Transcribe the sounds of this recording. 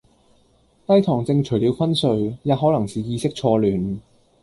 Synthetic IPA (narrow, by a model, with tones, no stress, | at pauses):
t̪ɐ˥jt̪ʰɔː˨˩ŋt͡sɪ˧ŋt͡ʃʰɵ˨˩ɥliː˨˧wfɐ˥nsɵ˨˧ɥjaː˧t̚ɦɔː˨˥lɐ˨˩ŋsiː˨jiː˧sɪ˥k̚t͡ʃʰɔː˧lyː˨˩n